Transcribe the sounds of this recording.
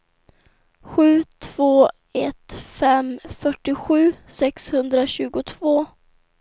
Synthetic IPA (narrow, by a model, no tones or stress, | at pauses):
ɧʉ̟ːt̪ʰv̥oː | ɛt̪fɛmfœʈːɪɧʉ̟ːsɛkshɵnd̪ɾaɕʉ̟ːɡʊt̪ʰvoː